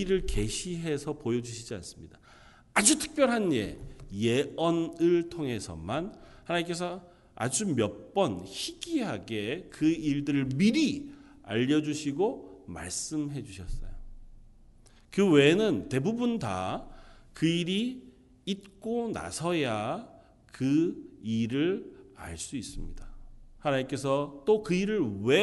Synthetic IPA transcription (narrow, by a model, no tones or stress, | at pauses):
iɾɯɭke̞ɕʰiɦe̞sʰʌpojʌd͡ʑuɕʰid͡ʑia̰ns͈ɯmɲid̥a | ad͡ʑutʰɯ̥k̚p͈jʌɾɦanjḛjeʌnɯɭtʰoŋɦe̞sʰʌ̰manhanaɲik̬͈e̞s̬ʰʌ | a̰d͡ʑumjʌp͈ʌnçiɡiɦaɡe̞kɯiɭdɯɾɯɭmiɾi | a̰ʎːʌd͡ʑuɕʰiɡoma̰ɭs͈ɯmɦe̞d͡ʑuɕʰʌs͈ʌ̰jo | kɯwe̞nɯnte̞bubunta̰ | kɯiɾiː | t̚k͈ona̰sʰʌja | kɯiɾɯɾa̰ɭs͈uis͈ɯmɲidahanaɲimk͈e̞sʰʌt͈okɯiɾɯɭwe